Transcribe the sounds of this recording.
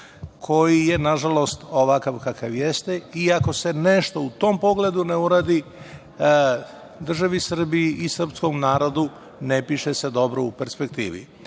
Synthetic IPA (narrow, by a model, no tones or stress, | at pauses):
kʰo̞jije̞naʒalo̞st̪o̞ʋakaʋkakaʋjest̪eiako̞se̞ne̞ʃt̪o̞ut̪o̞ːmpo̞ɡle̞d̪uneuɾaːd̪i | d̪r̩ʒaʋisr̩biiʔisr̩psko̞mnaːɾo̞d̪u | nepiʃese̞d̪o̞bɾoupeɾspek̚t̪iːʋḭ